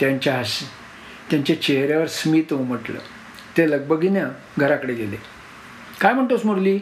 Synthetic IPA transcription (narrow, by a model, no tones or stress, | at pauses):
t̪jaɲt͡ɕjaɦas | t̪jaɲt͡ɕat͡ɕeɦɾjaʋəɾsmiːt̪ũm̤əʈlə̰ | t̪eləɡ̚bəɡinja | ɡʱəɾakəɽeɡele | kajm̤əɳt̪osmuɽliː